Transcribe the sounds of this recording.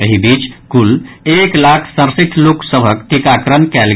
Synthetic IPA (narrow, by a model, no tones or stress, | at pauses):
əɦibiːt͡ʃkuleklakʰsə̃ɾsiʈ̪ʰloksəbʱəkʈ̪ikakɾənkɛlɡ